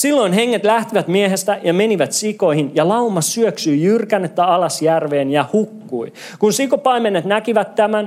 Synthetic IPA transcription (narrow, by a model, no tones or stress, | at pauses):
silːo̞inɦeŋːet̪læht̪iʋæt̪mieɦest̪æjɑme̞niʋæt̪siko̞jhinjɑlɑumɑsyøksyjjyrkænːet̪ːæɑlɑsjærʋeːnjɑhukːui | kunsikopɑimenːet̪nækiʋæt̪ːæmæn